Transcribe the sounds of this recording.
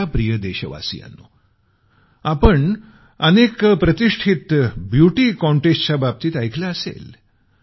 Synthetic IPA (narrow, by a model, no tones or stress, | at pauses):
apɾijəd̪eɕəʋa̰sḭja̰nːo̰ | apəɳ | ənekpɾət̪iʂʈʰit̪bjuʈiːkɔ̃ɳʈesʈt͡ɕabab̚t̪iːt̪ajkʰlaəsḛl